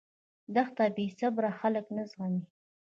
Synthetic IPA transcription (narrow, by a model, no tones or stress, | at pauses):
d̪axt̪abisabɾaxaləknazɣami